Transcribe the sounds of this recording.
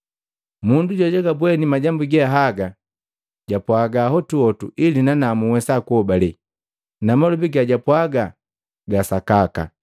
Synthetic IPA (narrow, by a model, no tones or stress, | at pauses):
munduɟɔɟɛɡabwɛnimaɟambuɡɛaɦaɡa | ɟapwaɡaɦɔtuɔtṵʔilinanamuwɛsakuɔbalɛ | namalubiɡaɟapwaɡa | ɡasakaka̰